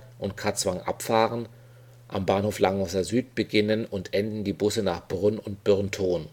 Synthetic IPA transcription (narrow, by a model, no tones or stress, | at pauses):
ʔʊntkʰat͡sv̥aŋʔa̰pfaːʁən | ʔambaːnhoːflaŋvɔsɐzyːt̚b̥əɡɪnənʊntʔɛndn̩diːbʊsənaːχb̥ʁʏnʊnt̚b̥ʏʁntʰoːn